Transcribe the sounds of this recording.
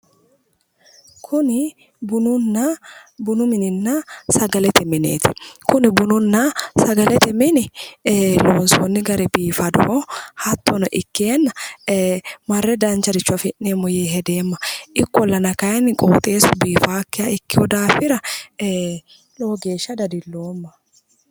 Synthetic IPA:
kʰʊnɪ | bʊnʊnːɐbʊnʊmɪnɪnːɐsɐɡɐlɛt̪ɛmɪnḛːt̪ʰɪ̥̰kʊnɪbʊnʊnːɐsɐɡɐlɛt̪ɛmɪnɪ | loːnsɔnːɪɡɐɾɛbiːfɐd̪ɔ̰hɔhɐt̪ːɔnɔʔɪkːjaːnːɐ | mɐrːɛd̪ɐnt͡ʃːɐd̪ɪt͡ʃːʊɐfɪʔːeːmːɔjeːɦɛd̪e̞ːmːɐʔɪkːɔlːɐnɐkɐjɐnɪkʼoːt̪ʼe̞ːsʊbiːfaːkːɪjaɪkːɪwɔd̪aːfɪɾɐ | loːɡe̞ːʃːɐd̪ɐd̪ɪlːoːmːɐ

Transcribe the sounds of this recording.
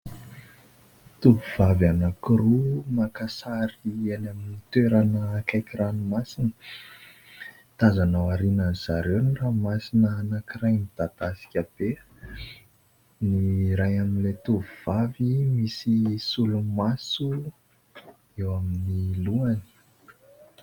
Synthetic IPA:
t̪uvuv̥avanakiɾumakasaɾianaminit̪eɾanəkajkiɾanumasinə̥ | t̪azanawaɾinaniz̥aɾewniramasinəːnakirajmid̪at̪asi̥kʲəb̥e | niɾajaminlet̪uviv̥avimisisulumasu | ewaminiluani̥

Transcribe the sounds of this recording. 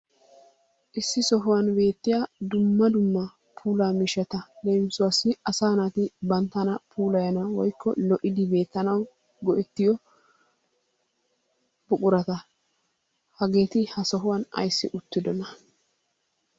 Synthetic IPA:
ʔɪsːɪsɔɦʊwɐnbe̞ːt̪ːɪjaːd̪ʊmːɐd̪ʊmːɐ | pʰuːlaːmɪʃɛt̪ɐleːmɪsʊwɐsɪɐsaːnat̪ɪbɐnt̪ːɐnɐpʰuːlɐjɐnɐwɔjkʰːɔ̰lɔʔɪd̪ɪbe̞ːt̪ːɐnɐw | ɡɔʔɛt̪ːɪjɔ | b̥ʊkʼʊɾɐt̪ɐ | hɐɡe̞ːt̪ɪhɐsɔɦʊwɐnɐ̰jsːɪ̰ʔʊt̪ːɪd̪ɔnɐ

